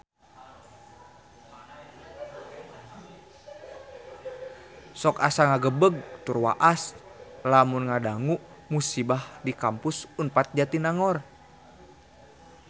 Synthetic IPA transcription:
sɔkasaŋaɡəbəɡ̚t̪urwa̰ʔas | lamunŋadaŋuʔ | musibahdikampusunpat̪̚d͡ʒat̪inaŋɔr

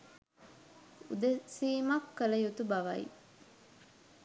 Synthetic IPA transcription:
ṵd̪esiːmɐkːɐlɐjut̪ubɐʋɐḭ

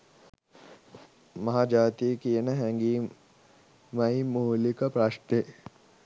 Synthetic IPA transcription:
mɐɦad͡ʒaːt̪iekienəɦɛ̃ŋɡiː | mɐimuːlikɐpɾaʂʈ̪e

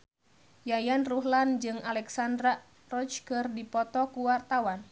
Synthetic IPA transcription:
jajanruɦland͡ʒɨŋalɛksandɾa | rɔt͡ʃkɨrdipɔt̪ɔkuwart̪awan

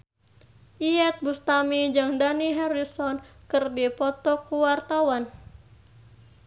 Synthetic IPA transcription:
ʔiɛt̪̚bust̪amid͡ʒɨŋdaniɦɛɾisɔnkɨrdipɔt̪ɔkuwart̪awan

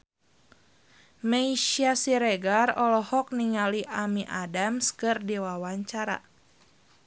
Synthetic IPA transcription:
meiʃiasiɾɛɡarɔlɔhɔk̚niŋaliʔamiʔadamskɨrdiwawaɲt͡ʃaɾa̰

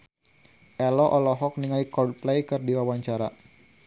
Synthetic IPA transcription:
ʔɛlɔʔɔlɔɦɔk̚niŋalikɔd̚plɛjkɨrdiwawaɲt͡ʃaɾa

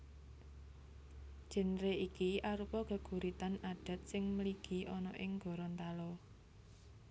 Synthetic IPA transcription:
d̥ʒ̥ə̤nɾeikiaɾupɔɡ̥ə̤ɡ̥ṳɾit̪anaɖ̥a̤t̪̚sɪŋməliɡ̥i̤ʔɔnɔʔɪŋɡ̥ɔ̤ɾɔnt̪alɔ

